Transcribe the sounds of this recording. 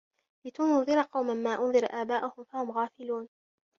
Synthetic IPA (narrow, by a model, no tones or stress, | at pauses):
lɪt̪ʊnʊnðˤɨɾˤɑqɑwmanmaːʔʊnðˤɨɾʔaːbaːʔʊhʊmfahʊmɣaːfɪluːn